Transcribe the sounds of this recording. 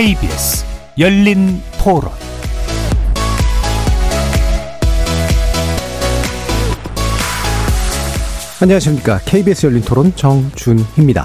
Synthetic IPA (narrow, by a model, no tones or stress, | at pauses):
eibiḛsɯ̥ | jʌʎːintʰoɾo̰n | aɲʌŋaɕʰimɲik͈akʰeibiesʰɯjʌʎːintʰoɾont͡ɕʌŋt͡ɕunhimɲida̰